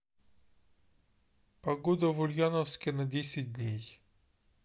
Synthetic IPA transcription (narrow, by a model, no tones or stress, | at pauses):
pɐɡod̪ɐvʊlʲjanəfskʲɪnɐdʲesʲɪt̚ʲdʲnʲej